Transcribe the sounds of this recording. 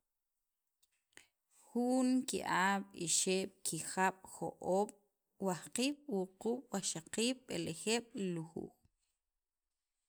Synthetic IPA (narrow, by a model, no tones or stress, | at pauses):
xuːŋkḭʔaːɓ̥ḭʃeːɓ̥kʰixaɓ̥xo̰ʔoːɓ̥ | wahqiːɓ̥wuquːɓ̥waʃaqiːɓɓelexeːɓ̥liluxṵːx